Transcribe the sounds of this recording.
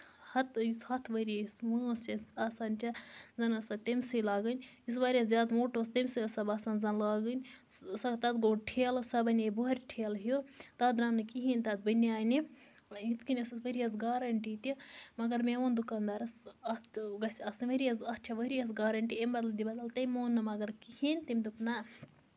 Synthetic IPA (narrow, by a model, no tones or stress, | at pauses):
hɐt̪ishɐt̪ʰʋɐɾismɨst͡ʃɐsaːsaːnt͡ʃɐzɐnɐsɐt̪ɐmʲsɨlaːɡɨnʲ | is̬ʋaːɾʲɐszʲaːd̪moːʈost̪ɐmʲsɨɐsɐbaːsaːnzɐnlaːɡɨnʲsɐt̪ɐt̪ɡoːɖʈʰeːlsɐbɐnʲebuɦɐɾʲʈʰeːlɦijot̪ɐd̪ɾanːɨkiɦinʲt̪ɐt̪̚bɨniaːjni | it̪kinʲɐsɐsʋɐɾijɐs̬ɡaːɾɐɳʈit̪imɐɡɐɾmeʋoːnd̪ukaːnd̪aːɾɐsɐt̪ɡɐsʲɐsɨnʋɐɾijɐzɐst͡ʃʰɐʋɐɾijɐs̬ɡaːɾɐɳʈiembɐt̪lɐd̪ibɐd̪ɐlt̪ɐmʲoːnːɨmɐɡɐɾkihinʲt̪ɐmʲd̪upnɐ